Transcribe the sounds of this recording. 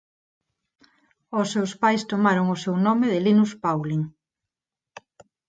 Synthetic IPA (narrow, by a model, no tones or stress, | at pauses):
ʊsːewspajst̪omaɾoŋʊsewnɔmeðɪlinuspawliŋ